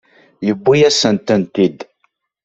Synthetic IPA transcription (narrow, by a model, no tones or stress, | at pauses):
jəbːijæsənt̪ənt̪id̪